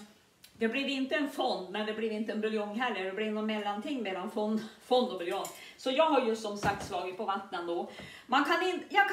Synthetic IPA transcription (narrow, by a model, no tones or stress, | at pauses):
d̪ɛblɪvɪnt̪əɛnfɔnd̪mɛnd̪ɛbliːɾɪnt̪əɛnbɪljɔŋɦɛlːəɖ̪ɛblɪnɔnmɛlːant̪ʰɪŋːmɛlanfɔnfɔnd̪ɔbɪljɔŋsɔjɑːɡɦaɾjɵsɔmsak̚t̪svɑːɡɪt̪̚pʰɔvat̪ːnənd̪ɔ | mankʰanɪnt̪jɑːɡk